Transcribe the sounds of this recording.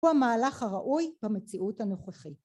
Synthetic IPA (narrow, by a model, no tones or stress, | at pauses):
amaːlaχhaʁaʔujbamet͡siʔuthanoχeχit